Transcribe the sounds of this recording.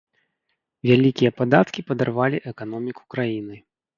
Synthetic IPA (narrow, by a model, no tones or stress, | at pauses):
vʲalʲikʲijɐpad̪at̪kʲipɐd̪arvalʲiʔɛkanɔmʲiku̥kɾajinɨ